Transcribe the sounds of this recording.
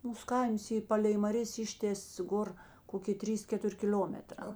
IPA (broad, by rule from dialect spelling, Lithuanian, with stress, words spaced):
ˈmuːs ˈkɐɪms ˈiː ˈpɑːlʲɛɪ mɐˈrʲeːs ˈɪʃʲtʲeːs ˈɡoːr ˈkoːkʲeː ˈtʲrʲiːs ˈkʲæːtʊrʲ kʲɪˈlʲoːmʲɛtrɑː